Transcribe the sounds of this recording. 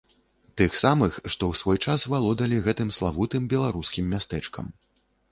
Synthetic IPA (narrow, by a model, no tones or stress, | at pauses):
t̪ɨxsamɨxʂt̪ɔwsvɔjt͡ʂasvalˠɔd̪ɐlʲiɣɛt̪ɨmslˠavut̪ɨmbʲɛlˠaɾuskʲimːʲast̪ɛt͡ʂkɐ̰m